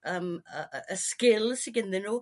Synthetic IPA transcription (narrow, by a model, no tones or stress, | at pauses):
əməəʔəskɪlˠsɪɡɪnðɪnu